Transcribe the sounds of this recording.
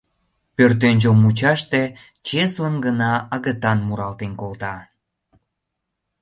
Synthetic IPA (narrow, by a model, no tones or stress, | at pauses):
pørt̪enʲd͡ʑomːut͡ɕɑʃt̪e | t͡ɕeslənɡənɑəɣət̪ɑnmuɾɑlt̪enkolt̪ɑ